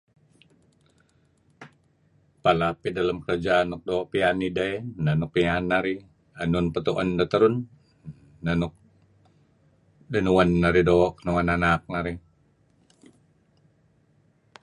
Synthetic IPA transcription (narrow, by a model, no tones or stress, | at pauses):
palapidaləmkəɾad͡ʒaːnuk̚doːʔpianidaenanuk̚pianːaɾi | anunpət̪uʔandat̪əɾunː | anuk̚ | dənuwanːaɾidok̚nuwananak̚naɾi